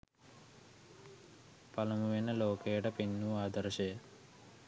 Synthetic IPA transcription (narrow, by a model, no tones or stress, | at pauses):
pɐlɐmuʋinɐloːkeːʈɐpinːuaːd̪ɐɾɐʃeː